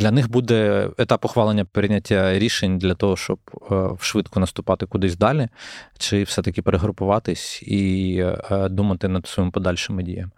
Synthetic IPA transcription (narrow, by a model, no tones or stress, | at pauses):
d̪lʲɐnɪxbud̪ɛet̪ɑpɔxʋɑlˠenʲːɐpɾɪnʲɐtʲːɐɾʲiʃenʲd̪lʲɐt̪ɔɦɔʃt͡ʃɔbwʃʋɪt̪kɔnɐst̪ʊpɑt̪ɪkʊd̪ɪsʲd̪ɑlʲit͡ʃɪfsɛt̪ɐkʲɪpeɾeɦɾʊpʊʋɑt̪ɪsʲi | d̪umɐt̪ɪnɐd̪sɔjimpɔd̪ɑlʲʃɪmɪdʲḭjɐm